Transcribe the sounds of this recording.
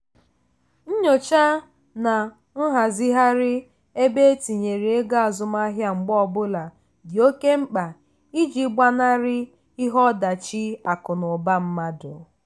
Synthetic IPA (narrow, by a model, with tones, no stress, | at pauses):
n̩˦ɲo˨t͡ʃa˦ | na˨ | n̩˦ɦa˨zi˦ɦa˦ɾɪ˦ | e˦be˦e˦ti˨ɲe˨ɾi˨e˦ɡa˦a˨zʊ˨ma˦ɦja˦˨ŋ͡m̩˨ɡ͡bɔ˦bʊ˦la˨ | bi˨o˦ke˦ŋ͡m̩˦k͡pa˨ | i˦d͡ʒi˨˦ɡ͡ba˦na˦ɾɪ˦ | i˦ɦɔ˦da˨t͡ʃi˦a˨kʊ˨nʊ˨ba˦m̩˦ma˦dʊ̰˨